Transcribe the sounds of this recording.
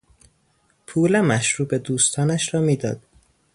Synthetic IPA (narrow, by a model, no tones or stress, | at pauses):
pʰuːlæmæʃɾuːbed̪uːst̪ʰɒːnæʃɾɒːmiːd̪ɒːd̪̥